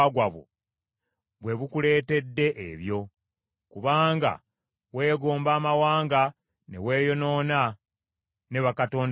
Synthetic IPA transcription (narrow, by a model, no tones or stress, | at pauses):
aɡwaβo̰ | βwe̞βukule̞ːte̞dːe̞ʔeβjo̞ | kuβaːŋɡa̰ | we̞ːɡo̞ːmbaːmawaːŋɡa | ne̞̰we̞ːjo̞no̞ːna | ne̞βakato̞ːn